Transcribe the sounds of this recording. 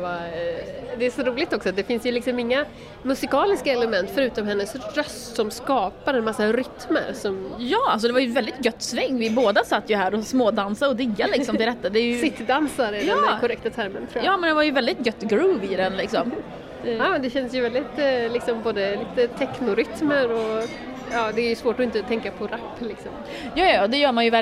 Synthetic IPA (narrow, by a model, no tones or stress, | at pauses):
va | d̪ɛːʂɔɾuːlɪɡ̚t̪ɔksɔd̪ɛfɪnsjɵlɪksɔmɪŋːa | mɵsɪkɑːlɪskaɛləmɛnt̪fœɾʉ̟ːt̪ɔmhɛnːəsɾœst̪sɔmskɑːpaɾɛnmasːaɾʏt̪mə̰ɾsɔmjɑːalsɔd̪ɛvajɵvɛld̪ɪt̪̚ɡœt̪ːsvɛŋːvɪboːd̪asat̪ːjɵɦæːɾɔsmoːd̪ansaɔd̪ɪɡːalɪsɔmɪld̪ɛt̪ːad̪ɛːjɵssɪt̪ːd̪ansaɾɪdj̪ɛɑːkʰɔɾɛkt̪at̪ʰæɾmənt̪ʰɾuːjɑːmɛnd̪ɛvaɾjɵvɛld̪ɪt̪̚ɡœt̪ːɡɾʉːvɪd̪ɛnlɪksɔm | ɑːd̪ɛɕɛnsjəvɛld̪ɪt̪lɪksɔmboːd̪əliːt̪ət̪ʰɛknʊɾʏt̪məɾɔ | ɑːd̪ɛːɾjɵsvoːʈɔɪnt̪ət̪ʰɛŋkapʰɔɾapːlɪksɔm | jɑːjd̪ɛjœːmanjəvɛ